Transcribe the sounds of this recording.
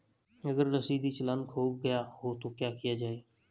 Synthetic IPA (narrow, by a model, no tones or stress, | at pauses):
ɐɡəɾːɐsid̪it͡ʃɐlãnkʰoːɡ̚ɡɐjaɦot̪okjaːkijad͡ʒaːeː